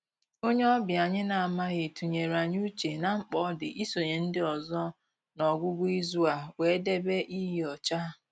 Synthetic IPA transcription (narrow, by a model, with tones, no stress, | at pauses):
o˦ɲe˦ɔ˦bɪ˨a˨ɲɪ˦na˨a˨ma˦ɣɪ˨tu˨ɲe˨ɾa˨ɲ˦u˦t͡ʃe˨na˨ŋ͡m̩˦k͡pɔ˨˦dɪ˨ʔi˦so˨ɲe˨n̩˦dɪ˦ɔ˨zɔ˦ | nɔ˨ɡʷʊ˦ɡʷʊ˦i˦zu˦a˨we˨˦de˦be˦ʔi˦ɦɔ˨t͡ʃa˦